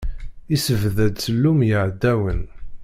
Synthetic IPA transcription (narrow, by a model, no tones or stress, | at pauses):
isəvðæd̪t͡səlːumjəʕd̪ːæwən